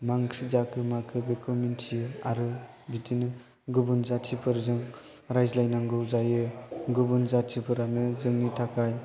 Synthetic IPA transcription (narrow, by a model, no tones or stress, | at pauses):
maŋsizakʰɯmakʰɯbekʰumentʰijɯaɾɯ | bitʰinɯ | ɡɯbunzatʰipʰɯɾzɯŋ | ɾajzlajnaŋɡɯwzajɯɡubunzatʰipʰɯɾanɯzɯŋnitʰakʰaj